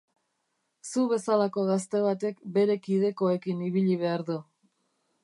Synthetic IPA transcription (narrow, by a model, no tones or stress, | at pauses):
suβe̞salako̞ɣast̪e̞β̞at̪e̞kbe̞ɾe̞kið̞e̞ko̞e̞kiniβiʎiβ̞e̞aɾðu